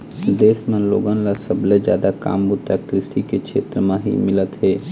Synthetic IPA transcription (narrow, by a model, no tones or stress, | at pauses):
d̪esmelo̰ɡənlasəbled͡ʒjad̪aka̰mbut̪ːak̚t̪ɾɪsʈiket͡ʃʰet̪ɾəmeɦḭmilət̪ɦe